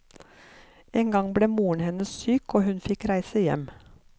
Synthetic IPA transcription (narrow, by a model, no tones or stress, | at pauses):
eːŋɡɑŋbɽeːmuːəɳhɛnəsyːkoːhʉnfɪkɾæɪsəjɛ̰m